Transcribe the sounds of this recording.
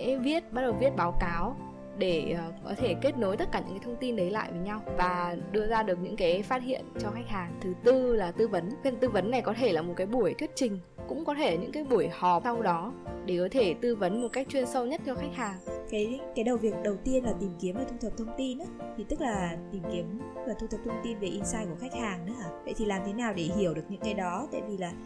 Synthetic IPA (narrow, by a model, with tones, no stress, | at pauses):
ɛ̰˧˥˧vi˦˥ət̚ɓa˦˥t̚ɗə˨˩wvi˦˥ət̚ɓaː˨˦wkaː˨˦w | ɗeː˧˩˨kɔ˨˦t̪ʰe˧˩ke˦˥t̚no˨˦jt̪ə˦˥t̚kaː˧˩ɨ̰˧˥kaː˨˦t̪ʰə˧wŋ͡mt̪i˧nɗə˨˦jla̰ː˧˨jvəː˨˦jɲa˧wvaː˨˩ɗɨ˧əzaː˧ɗɨ˨˩ək̚ɲɨ̰˧˥ŋkaː˨˦jfaː˦˥t̚hḭ˧˨ənt͡ɕɔ˧xa˦˥jk̚haː˨˩ŋt̪ʰɨ˨˩t̪ɨ˧laː˨˩t̪ɨ˧və˨˦nfi˧t̪ɨ˧və˨˦nːa˨˩jkɔ˨˦t̪ʰe˧˩laː˨˩mo˨˩t̚kaː˨˦jɓu˧˩əjt̪ʰwi˦˥ət̚t͡ɕï˨˩ŋ̟ | kʊ̰˧˥ŋ͡mkɔ˨˦t̪ʰe˧˩ɲɨ̰˧˥ŋkaː˨˦jɓu˧˩əjhɔ˨˩p̚sa˧wɗɔ˨˦ɗe˧˩kɔ˨˦t̪ʰe˧˩t̪ɨ˧və˨˦nm˨˩t̚ka˦˥jk̚t͡ɕwi˧ənsə˧wɲə˦˥t̚t̪ʰɛ˧wxa˦˥k̚haː˨˩ŋkaː˨˦jkaː˨˦jɗə˨˩wvi˨˩ək̚ɗə˨˩wt̪i˧ənlaː˨˩t̪i˨˩mki˨˦əmvəː˨˩t̪ʰu˧t̪ʰə˨˩p̚t̪ʰə˧wŋ͡mt̪i˧nʔaː˨˦t̪ʰi˨˩t̪ɨ˦˥k̚laː˨˩t̪i˨˩mki˨˦əmvəː˨˩t̪ʰu˧ə˨˩p̚t̪ʰə˧wŋ͡mt̪i˧nve˨˩ʔi˧nsaː˧jku˧˩əxa˦˥jk̟̚haː˨˩ŋnɨ˨˦aː˧˩və̰˧˨jt̪ʰi˨˩laː˨˩mt̪ʰe˨˦naː˨˩wɗe˧˩ɦi˧˩əwɗɨ˨˩ək̚ɲɨ̰˧˥ŋkaː˨˦jɗɔ˨˦t̪a̰ː˧˨jvi˨˩laː˨˩